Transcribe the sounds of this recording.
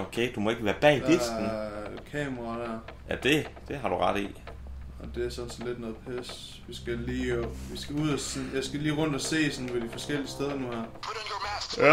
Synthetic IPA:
okʰeɪd̥umɒ̽e̝ɡ̥əʋæːɐb̥ɛ̰ːd̥e̝sn̩kʰɛ̰ːmɐʁɑd̥æɐ̰jæd̥e̝d̥e̝ɦɑ̈ɾ̥uʁɑ̈ɾ̥ḭ | ɒd̥e̝æɐsɒ̽nsn̩le̝d̥nɔ̽ːðˠpʰes | ʋisɡ̥æliːʋisɡ̥æuð̰ˠɒnjɑ̈ɪsɡ̥æliːʁɔ̽n̰d̥ɒse̝̰ːsɒnpʰɒd̥ifɒ̽sɡ̥el̰iəsd̥eð̞ˠɐnuhæɐ̰ | æ

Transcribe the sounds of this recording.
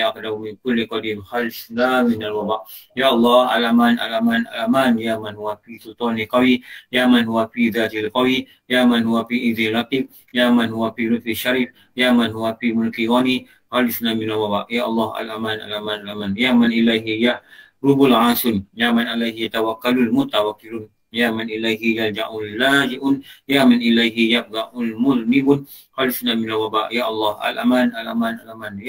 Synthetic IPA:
ʔɑqdamɪnkʊlːiqɑdiːmxalɪsnamɪnalwɑbaʔ | jaːʔɑlˤːɑːhʔalʔamaːnʔa̰lʔamaːnʔa̰lʔamaːnjaːmanhʊwafisʊlt̪ˤɔːniqɑwijaːmanhʊwafiðaːt̪ɪlqɑwi | jaːmanhuwafiʔɪðnlakib̚ | jaːmanhʊwafiɾʊfiʃaɾiːf | jaːmanhuwafiːmʊlkijoni | xalɪsnamɪnalwaba̰ʔjaːʔɑlˤːɑha̰lʔamanʔa̰lamanalamanjaːmanʔilajɦija | ɾubʊlʕasʊnjaːmanʔalajɦijat̪awakːalʊlmʊt̪awakːilʊn | jaːmanʔilajɦijald͡ʒa̰ʔʊnlaːd͡ʒiʔʊnjaːmanʔilajɦijab̚d̪aʔʊlmʊlmibʊn | xalɪsnamɪnalwabaʔjaʔɑlˤːɑːhʔa̰lʔamanalamanalaman

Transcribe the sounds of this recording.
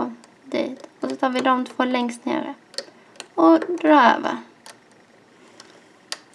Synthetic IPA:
d̪ḭːt̪ɔsɔt̪ʰɑːɾvɪd̪ɔmt̪ʰv̥oːlɛŋst̪nḛːɾə | ɔd̪ɾɑːø̰ːvə̰ɾ

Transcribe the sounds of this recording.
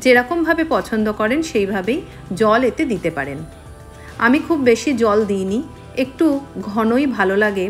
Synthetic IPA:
d͡ʑeɾɔkombʱabepɔt͡ɕʰond̪okɔɾenʃejbʱabej | d͡ʑɔlet̪ed̪it̪epa̰ɾen | amikʰubːeʃid͡ʑɔld̪ijni | ek̚ʈuɡʱɔnojbʱalolaɡe

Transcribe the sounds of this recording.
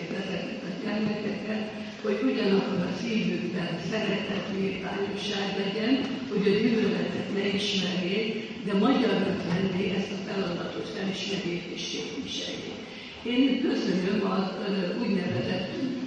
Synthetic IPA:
vɛzɛt̪ɛt̪ɛt̪ɛrlɛt̪ɛkɛt̪ | ho̞ɟuɟɒnɒkːoɾɒsiːvyːɡbɛnsɛɾɛt̪hɛt̪niva̰ːɲo̞ʃaːɡlɛɟɛnho̞ɟɒɟynølɛt̪ɛt̪nɛiʃmɛrneːk | d̪ɛmɒɟɒrot̪mɛnːeːʔɛst̪ɒfɛlɒd̪ɒt̪o̞t̪fɛliʃmɛɡeːrt̪iʃteːp̪iʃɛ̰jḛː | eːnkø̞sø̞nømɒuːɟnɛvɛzɛt̪ːyŋk

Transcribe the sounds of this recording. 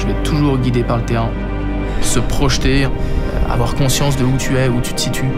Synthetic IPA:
ʒəlɛt̪ʰuʒuʁɡʲid̪epaʁlət̪eʁɛ̃ | səpχɔʃt̪ḛ | a̰vwaʁkɔ̃sjɑ̃sd̪əut̪ʰyɛut̪y̥t̪ə̥sit̪ʰy

